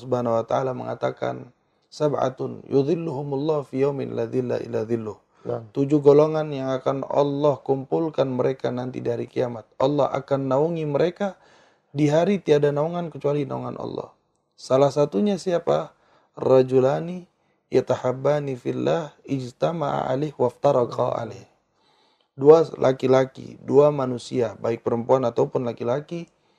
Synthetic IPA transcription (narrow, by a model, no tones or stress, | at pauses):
subhanawat̪aalamə̰ŋa̰t̪aka̰n | sabʕa̰t̪ʊnjuðˤɪlːuɦʊmlˤːɑhfijawmɪ̰nlaðilːa̰ʔḭlaðɪlːʊh | t̪ud͡ʒuhɡoloŋanjaŋakanɑ̰lːɔhkumpulkanməɾekanant̪ḭdihaɾikiamat̪̚ʔɑlːɔ̰ha̰kanːauŋiməɾeka | diɦaɾit̪iadanauŋankət͡ʃualina̰ṵŋa̰nʔɑ̰lːɔ̰h | salahsat̪uɲasiapa | rad͡ʒulani | jat̪ahabːanifilːahɪd͡ʒt̪ama̰ʔa̰lɪhwaft̪aɾɑqɑ̰a̰leh | dualʔa̰kilakḭduamanusiabaɪk̚pəɾəmpuanat̪aupʊnlakilaki